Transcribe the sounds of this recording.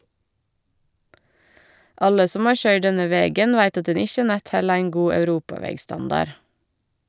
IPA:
ˈʔɑlə ˈsɔm ˈɑːɹ ˈçœʏɖ ˈdɛnə ˈʋeːɡən ˈʋæɪt ˈɑt ˈdɛn ˈɪçə ˈnæt ˈhɛl ˈæɪŋ ˈɡuː œʉˈɾuːpɑˌʋɛɡˌstɑndɑɾ

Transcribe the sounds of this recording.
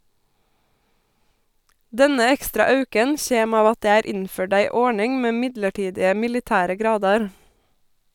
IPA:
ˈdɛnə ˈɛkstɾɑ ˈɑʉkən ˈçeːm ˈɑːʋ ˈɑt ˈdeː ˈæːɾ ˈɪnˌføːɖ ˈæɪ ˈɔɳɪŋ ˈmeː ˈmɪdləˌʈiːdɪə mɪlɪˈtæːɾə ˈɡɾɑːdɑɾ

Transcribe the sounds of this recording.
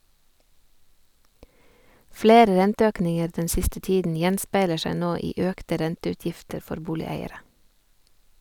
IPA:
ˈfleːɾə ˈɾɛntəˌøːknɪŋəɾ ˈdɛn ˈsɪstə ˈtiːdn̩ ˈjɛnspæɪlə ˈʃæɪ ˈnoː ˈiː ˈœktə ˈɾɛntəʉˌtjɪftəɾ ˈfɔɾ ˈbuːlɪˌæɪəɾə

